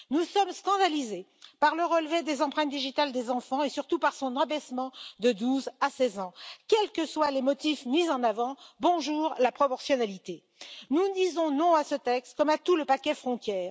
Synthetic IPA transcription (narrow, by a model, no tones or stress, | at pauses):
nusɔmskɑ̃d̪alize | paʁləʁəlved̪ezɑ̃pχɛ̃t̪̚d̪iʒit̪ald̪ezɑ̃fɑ̃esyʁt̪upaʁsɔ̃nãbɛsmɑ̃d̪əd̪uzasɛzɑ̃kʲɛlkəswalemɔt̪ifmizɑ̃navɑ̃bɔ̃ʒuːʁlapχɔpɔʁsjɔnalit̪e | nud̪izɔ̃nɔ̃asət̪ɛkst̪kɔmat̪uləpakʲɛfχɔ̃t̪jɛːʁ